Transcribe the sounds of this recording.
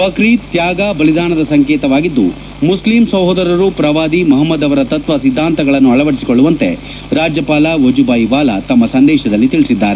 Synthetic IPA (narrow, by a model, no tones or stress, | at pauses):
pɐkɾiːt̪jaːɡaːbɐlid̪aːɳɐd̪ɐsɐŋkeːt̪ɐʋaːɡid̪ːṵ | muslimsɐwɦod̪ɐɾɐɾupɾɐʋaːd̪imɐɦɐmːɐd̪ɐʋɐɾɐt̪ɐt̪ʋɐsid̪ʱːaːnt̪ɐɡɐɭɐnːuɐɭɐʋɐɽisikoɭːuʋɐnt̪e̞̰ | ɾaːd͡ʒjɐpaːlaʋɐd͡ʒubaːjʋaːlɐt̪ɐmːɐsɐnd̪ɛːʃɐd̪ɐlːit̪iɭisid̪ːaːɾe